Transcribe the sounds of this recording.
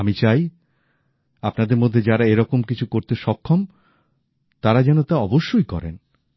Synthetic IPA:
amit͡ɕaj | apnad̪eɾmod̪ʱːed͡ʑaɾaeɾɔkomkit͡ɕʰukoɾt̪eʃɔkʰːom | t̪aɾad͡ʑɛnot̪aɔboʃːojkɔ̰ɾḛn

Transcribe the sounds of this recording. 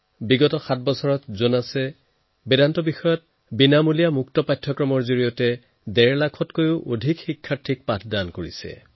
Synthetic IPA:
biɡɔtɔxat̚ʰbɔsɔɹɔtzonasɛ | bɛdantɔbixɔjɔt̚ | binamulijamuktɔpajtʰːɔkɹɔmɔɹzoɹijɔtɛ | dɛɹlakʰɔtkojʊʔodʱikxikʰːaɹtʰik̚patʰdankoɹisɛ̰

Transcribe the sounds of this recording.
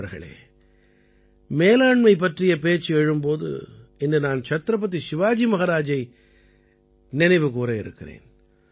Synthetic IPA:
ɐɾɣɐ̰ɭḛː | meːlaːɳmɐɪp̬ːɐʈrɪjɐpeːt͡ʃːɯɛɻɯmpoːðɯ̰ɛndɯnaːnt͡ʃɐt̪ɾɐp̬ːɐt̪̬ːiʃɪʋaːd͡ʒimɐɣɐɾaːd͡ʒɐɪ | nɪnɐɪʋɯkuːɾɐɪɾɯ̰kːɪrḛːn

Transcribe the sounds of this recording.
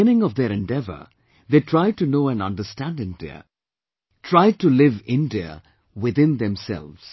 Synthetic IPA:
ɪ̃nɪ̃ŋɔvd̪eɾɛ̃nɖɛvə̰ | ðeːʈʰɾaɪd̚ʈunoːæ̃nʌ̰̃nɖəstæ̃ndɪ̃ŋd̪iə̰ | ʈʰɹaɪd̚ʈulɪvɪ̃ndiə̰ | wɪðɪ̃nd̪ɛ̃msɛ̰lvz̥

